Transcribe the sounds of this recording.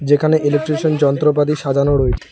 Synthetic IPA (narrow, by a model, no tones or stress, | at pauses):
d͡ʑekʰaneʔeleʈːɾeʃond͡ʑɔnt̪ɾopad̪iʃad̪ʱanoɾoet͡ɕʰe̥